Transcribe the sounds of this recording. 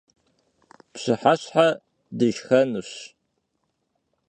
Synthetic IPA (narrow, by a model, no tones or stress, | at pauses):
pɕɪħaɕħa | dɨʒxɐnuɕ